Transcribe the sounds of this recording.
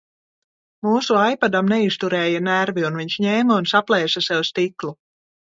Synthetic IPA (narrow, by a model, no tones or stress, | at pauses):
muːsuajpad̪amnɛist̪uɾɛːjanæɾviunviɲʃɲeːmaunsaplˠɛjsasɛvust̪iklˠu